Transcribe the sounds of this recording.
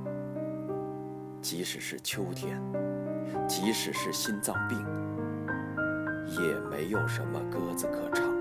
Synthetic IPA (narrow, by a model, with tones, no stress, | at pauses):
t͡ɕi˧˥ʂɻ̩˨˩ʂɻ̩˥˩t͡ɕʰjo˥ʊt̪ʰjɛ˥n | t͡ɕi˧˥ʂɻ̩˨˩ʂɻ̩˥˩ɕi˥nt͡sɑ˥˧ʊpi˥˩ŋ | jɛ˨˩me˧˥ɪjo˨˩ʊʂə̰˧˥nmə̰˧kɤ˥d͡zɹ̩˨kʰɤ˨˩ʈ͡ʂʰɑ˧˥˦ŋ